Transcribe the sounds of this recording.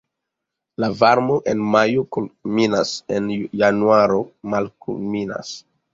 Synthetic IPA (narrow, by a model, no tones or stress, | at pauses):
lavaɾmoʔenmajokulminase̞njanuaɾomalkṵlmina̰s